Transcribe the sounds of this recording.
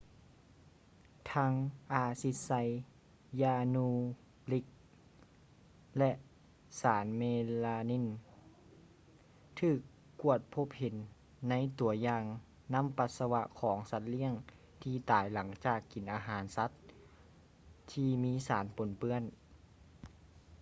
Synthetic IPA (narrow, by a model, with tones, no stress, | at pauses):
t̪ʰaː˧˥ŋʔaː˧si˧˥t̪̚sa˧j | jaː˧nuː˧ | bli˧k̚ | lɛ˧ʔ | saː˩˦nmeː˧laː˧ni˧˥˨n | t̪ʰɯː˧˩kː | u˧˩ət̪̚pʰo˧˥p̚he˩˦nː | a˧˥jt̪u˨˩˦ɐjaː˧ŋ | na˧˥˨mpa˧˦t̪̚sa˧wa˧ʔkʰɔː˩˦ŋsa˧˦t̪̚li˧˥˨əŋ | t̪ʰiː˧˩t̪aː˨˩˦jla˩˦ŋt͡ɕaː˧˨˩kːi˨˦nʔaː˧ɦaː˩˦nsa˧˥t̪̚ | t̪ʰːiː˧miː˧˥saː˩˦npo˨˩˦npɯ˧˥ən